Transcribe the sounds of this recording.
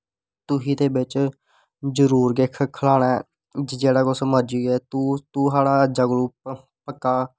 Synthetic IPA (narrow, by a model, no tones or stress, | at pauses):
t̪ʊɦiːt̪eːbɪt͡ʃ | d͡ʒəɾuːɾɡekʰkʰəlaːɽ̃aɛ | d͡ʒd͡ʒeːɽaːɡʊsməɾd͡ʒiːɛːt̪ut̪uːɦaːɽaːd͡ʒəɡluː | pəkːaː